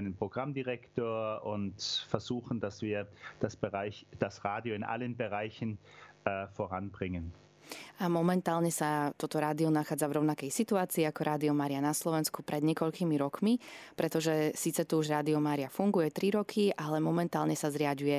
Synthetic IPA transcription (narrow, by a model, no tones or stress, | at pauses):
ɪnənpʁ̥oɡ̥ʁamdiʁɛktʰoːɐʊntfɛɐzuːxn̩dasv̥iːɐd̥asbəʁaɪd̥asʁaːdioɪnʔa̰lənbəʁaɪçn̩ɛːfoʁanbʁɪŋən | ʔamɔmɛnt̪aːlɲɛsat̪ɔt̪ɔɾaːd̪iɔnaxaːd͡zavɾɔʊnakɛjsit̪uaːt͡siːakɔɾʔaːd̪iɔmaːɾianaslɔʋɛnskupɾʔɛd̪ɲɛkɔʎkiːmiɾɔkmipɾɛt̪ɔʒɛsiːt͡sɛt̪uuʒɾaːd̪iɔmaːɾiafuŋɡujɛt̪ɾiɾɔkʰiʔalɛmɔmɛnt̪aːlɲɛsazɾɪaɟujɛ